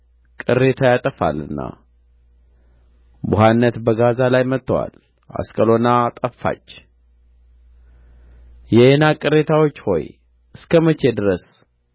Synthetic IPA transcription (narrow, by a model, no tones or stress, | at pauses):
kʼɨrːe̞t̪ʰajat̪ʼəfa̰lɨ̰nːa̰ | buɦanːət̪bəɡazalajmət̪ːəwa̰l | ʔa̰skʼəlo̞nat̪ʼəffa̰t͡ʃː | jɛʔenakʼɨɾe̞t̪ʰawot͡ʃːho̞̰j | ʔɨskʰəmət͡ʃʰed̪ɨɾəs